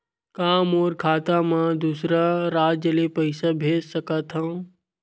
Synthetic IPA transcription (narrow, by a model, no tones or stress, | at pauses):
kaːmoːɾkʰaːt̪amãd̪uːsɾaɾaːd͡ʒəlepəɪsabʱeːd͡ʒsəkət̪ɦã